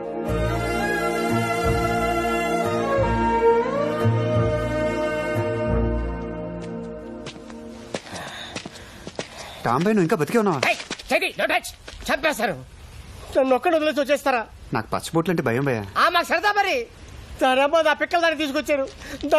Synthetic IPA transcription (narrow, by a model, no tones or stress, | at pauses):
ʈaːmbɐjnuːiŋkaːbʱɐt̪ikeɔnːaʋaːejt͡ʃed̪inoʈɐt͡ʃt͡ʃɐpːaːsaːɾu | ɐnɔkːɐnud̪ules̬oːt͡ʃeːst̪ɐɾaːna̰ːku̥pɐ̰t͡ʃːboːʈlɐɳʈːibʱɐjɐmbɐja̰aːmːaːksɐɾɐd̪aːbɐɾi | saɾambaːd̪aːpɪkːɐld̪aːnt̪iːsukɔt͡ʃːeːɾud̪